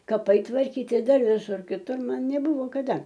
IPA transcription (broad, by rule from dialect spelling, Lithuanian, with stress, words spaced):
kɐˈpɐɪ tʋɐrʲˈkʲiːtʲɪ ˈdɐr ʋʲɪˈsʊr kʲɪˈtʊr ˈmɐn nʲɛˈbʊʋoː kɐˈdɐ